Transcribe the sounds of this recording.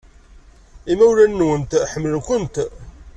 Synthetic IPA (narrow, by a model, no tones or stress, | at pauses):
imæwlænːwənt̪ħəmːəlkʷʊnt̪